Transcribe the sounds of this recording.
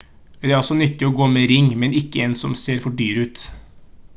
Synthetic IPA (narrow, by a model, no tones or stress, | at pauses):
d̪ɛæɾɔsɔnʏt̪ːɪɔːɡoːmeːɾɪŋːmɛnɪkːəɛːnsɔmseːɾfɔɖyːɾʉːt̪